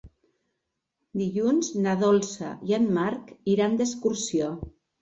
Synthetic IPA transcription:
d̪iʎunznaðɔlˠsa̰janmaɾkiɾand̪əskuɾsio

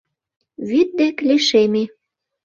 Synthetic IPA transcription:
βyt̪̚d̪ekliʃeme

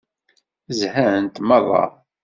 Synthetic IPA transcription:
zhæənt̪mɑðˤɑ̰

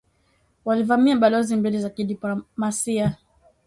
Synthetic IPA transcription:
walivamiaɓalɔzimbilɛzakiɗiplɔmasia

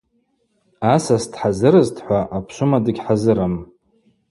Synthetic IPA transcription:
asastʰʼħazɨɾɨztʰħʷaʔapʰʃʷʊmadɨɡʲħazɨɾam

